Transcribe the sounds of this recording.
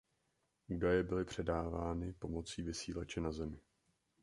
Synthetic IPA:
ʔuːdajɛbɪlɪpr̝̥ɛdaːvaːnɪpo̞mo̞t͡siːvɪsiːlat͡ʃɛnazɛmɪ

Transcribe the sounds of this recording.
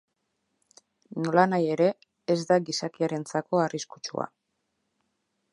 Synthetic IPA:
no̞lanaje̞ɾe̞ː | zd̪aɡisakiaɾe̞nt͡sako̞ariskut͡ʃṵa̰

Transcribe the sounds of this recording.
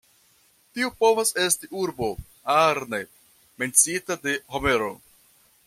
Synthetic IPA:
tiupo̞vase̞stiʔuɾbo̞ | aɾne | me̞nt͡siitade̞home̞ɾo̰

